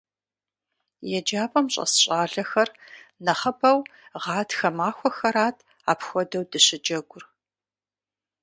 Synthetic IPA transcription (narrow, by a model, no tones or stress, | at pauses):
jɛd͡ʒaːpʼɐmɕʼɐ̰sɕʼaːɮɐxɐrnɐχɐpʰɐwʁɑːtʰxɐmaːxʷɔxɐɾaːtʰ | a̰ːpxʷɔdɐwdɨɕɪd͡ʒɐɡʷʊr